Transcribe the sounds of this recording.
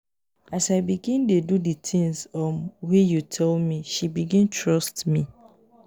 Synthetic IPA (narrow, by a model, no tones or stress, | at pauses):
asaɪbiɡĩndeduditʰĩŋzɔ̃wijutʰɛlmiʃibiɡĩntʰɹɔstmi